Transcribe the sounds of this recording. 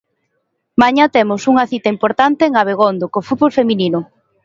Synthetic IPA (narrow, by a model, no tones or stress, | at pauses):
maɲat̪emʊsuŋɐθit̪ɐimpoɾt̪ant̪eːŋaβ̞eɣ̞ond̪okofut̪̚βolfemininʊ